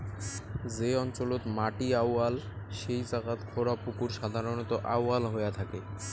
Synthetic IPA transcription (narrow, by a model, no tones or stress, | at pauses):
d͡ʑeɔnt͡ɕolot̪maʈiawal | ʃejt͡ɕakat̪kʰoɾapukuɾʃad̪ʱaɾonot̪oʔa̰walɦojat̪ʰake